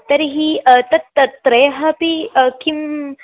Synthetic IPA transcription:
t̪əɾɦiːt̪ɐt̪ət̪ɾəjɦɐpiəkim

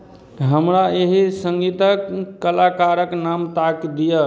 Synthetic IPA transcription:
ɦəmɾaeɦisəŋɡit̪əkːəlakaɾəknamt̪akd̪ijə

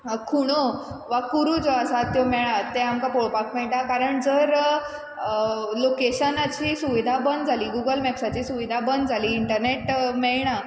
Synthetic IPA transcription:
kʰuɽ̃oʋakuɾud͡zoasat̪jomɛɭ̃at̪ːeamkapoɭpakʰmɛɭʈakaɾəɳd͡zəɾ | lokeɕənat͡ɕiːsuʋid̪ʱabənd̪d͡zʱaliːɡuɡəlmɛksat͡ɕiːsuʋid̪ʱabənd̪d͡zʱaliːɳʈəɾneʈmɛɭɳ̃a

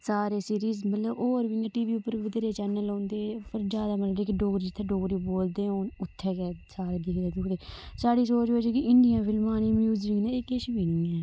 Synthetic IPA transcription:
saːɾeːsiːɾiːzmət̪ləboːɾbiẽʈiːʋiːʊpːəɾiːʋɪd̪eːɾeːt͡ʃɛːnəlõːnd̪eːpəɾd͡ʒaːd̪aːmələeːkɪɖoːɡɾiːd͡ʒɪt̪ʰːeːɖoːɡɾiːboːld̪eːoːnʊt̪ʰːɛːkɛːsaːɾeːd̪ɪkʰd̪eːd̪ʊkd̪eːsaːɽiːsoːt͡ʃoːd͡ʒeːkɪʔɪɳɖɪjãːpʰɪlmaːniːmjuːzd͡ʒɪŋɡnɛ̃ːeːkɪʃbiːniːɛː

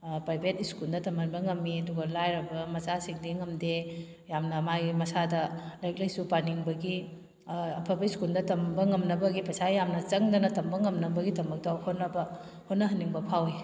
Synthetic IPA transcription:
pɾajbʱetiskuldɐtɐmɐnbɐŋɐmːiɐduɡɐlajɾɐbɐmɐsasiŋdiŋɐmde | jamnɐmaɡimɐsadɐlajk̚lɐjsupaniŋbɐɡi | ɐpʰɐbɐiskuldɐtɐmbɐŋɐmnɐbɐɡipʰɐsajamnɐt͡ʃɐŋdɐnɐtɐmbɐŋɐmnɐbɐɡitɐmɐk̚tɐhonːɐbɐ | hotnːɐɦɐnːiŋbɐpʰawi

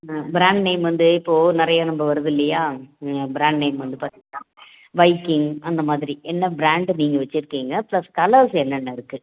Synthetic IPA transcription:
bɪɾaːɳɖneɪmʋɐnd̪ɯɪpːoːnɪɾɐjɐnɐmbɐʋɐɾɯðɪlːɐjaːbɪɾaːɳɖneɪmʋɐnd̪ɯpaːɾt̪iŋɡɐnãː | ʋɐɪkːɪŋɐnd̪ɐmaːðɪɾiʔɛnːɐbɾaːɳɖniːŋɡɐʋɐt͡ʃːɪɾɯkːiːŋɡɐplɐskɐlɐɾsɛnːɐnːɐɪɾɯkːɯ

